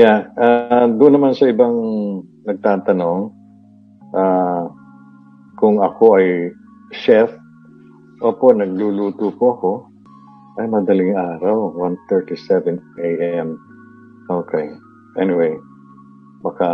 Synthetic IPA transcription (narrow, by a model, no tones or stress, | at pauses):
jaʔad̪ʊnːɐmansɐʔɪbaŋnɐɡ̚t̪aːt̪ɐno̞ŋ | ʔaː | kʊŋɐko̞ʔɐj | ʃɛf | ʔoːponɐɡ̚luluːt̪uːpoʔɐko̞ | ʔɐjmɐd̪ɐlɪŋʔaːɾɐwwant̪ɛɹt̪isɛvɛnejʔɛm | ʔoːkɛj | ʔɛnɪwej | bɐka